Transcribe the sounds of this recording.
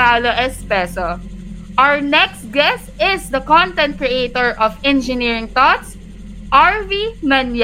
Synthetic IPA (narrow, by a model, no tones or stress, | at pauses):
aloʔɛspɛso | ʔawəɹnɛkst̪̚ɡɛst̪ɪsd̪ɐkɔ̃nt̪ɛ̃nt̪̚kɹɛʔet̪oɹʔɔvɛ̃nd͡ʒɪniɹɪ̃ŋt̪ɔt̪s | ʔaɹvimɐnj